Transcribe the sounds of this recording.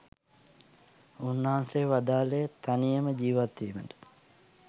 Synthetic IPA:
unːaanseʋad̪aːlejət̪anijəməd͡ʒiːʋat̪ːiːməndə̥

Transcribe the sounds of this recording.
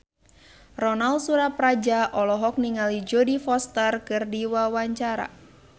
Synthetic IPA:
rɔnalsuɾaprad͡ʒaʔɔlɔɦɔk̚niŋalid͡ʒɔdifɔst̪ərkɨrdiwawaɲt͡ʃaɾa̰

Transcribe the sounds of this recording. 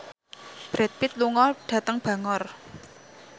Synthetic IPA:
b̥ɾɛt̪̚pɪt̪̚luŋɔɖ̥a̤t̪əŋb̥ä̤ŋɔr

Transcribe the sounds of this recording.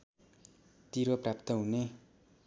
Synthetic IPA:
t̪iɾoprap̚t̪ʌɦune

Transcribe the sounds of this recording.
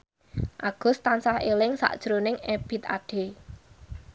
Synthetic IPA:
ʔaɡ̥ʊ̤st̪ansahelɪŋsa̰ʔd̥ʒ̥ɾonɪŋeb̥i̤t̪̚a̰ɖ̥e̤

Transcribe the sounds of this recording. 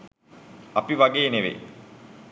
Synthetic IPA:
apiʋaɡeːneʋḛ

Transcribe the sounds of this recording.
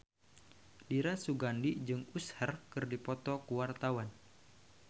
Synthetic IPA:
diɾasuɡandid͡ʒɨŋushərkɨrdipɔt̪ɔkuwart̪awan

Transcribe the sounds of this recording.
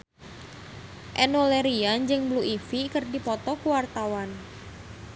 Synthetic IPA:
ʔɛnoleɾiand͡ʒɨŋbluʔifikərdipɔt̪ɔkuwart̪awan

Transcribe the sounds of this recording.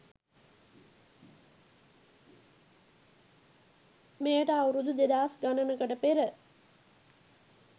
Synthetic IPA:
mejəʈəawɾud̪ud̪ed̪aːsɡanənəkəʈəpeɾə

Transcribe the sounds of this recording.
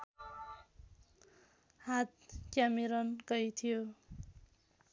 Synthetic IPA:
hat̪̚kjamiɾʌnkʌjt̪ʰijo

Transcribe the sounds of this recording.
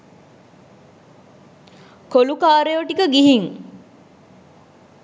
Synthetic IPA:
kolukaːɾejoʈikəɡiɦiŋ

